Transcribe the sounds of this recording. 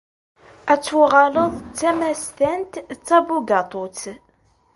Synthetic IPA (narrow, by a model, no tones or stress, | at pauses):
æt͡sːʁɑləðˤt͡sːæmæst̪ænt̪t͡sːæbuɡɑt̪ˤot͡s